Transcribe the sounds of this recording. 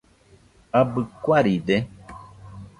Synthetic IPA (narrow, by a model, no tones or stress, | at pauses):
abɨkwaɾiɖɛ